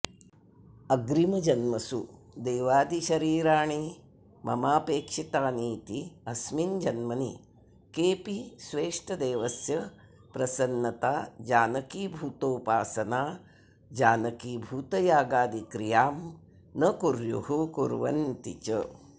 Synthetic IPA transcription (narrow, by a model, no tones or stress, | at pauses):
ɐɡɾimɐd͡ʒɐnmɐsṵ | d̪eːʋaːd̪iʃɐɾiːɾaːɳi | mʔɐ̰maːpeːkʂit̪aːniːt̪iɐsmind͡ʒɐnmɐni | keːpisʋeːʂʈʰɐd̪eːʋɐsjɐ | pɾɐsɐnːɐt̪aːd͡ʒaːnɐkibʱuːt̪oːpaːsɐnaː | d͡ʒaːnɐkibʱuːt̪ɐjaːɡaːd̪ikɾijaːm | nɐkuɾjṵɦukuɾʋɐ̰nt̪it͡ʃɐ